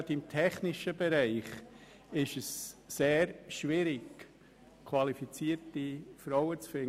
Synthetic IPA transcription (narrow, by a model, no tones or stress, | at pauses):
tɪmtʰɛχnɪʃəbɛɾæɪχ | ɪʃəsːeːɾʃvɪɾɪk | kʰvɑlifit͡siːəɾtifɾɔʊət͡sfɪn